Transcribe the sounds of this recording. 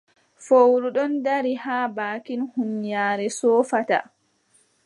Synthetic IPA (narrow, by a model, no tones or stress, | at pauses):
fowɾuɗɔndaɾihaːbaːkinhunjaːɾɛsɔːfata̰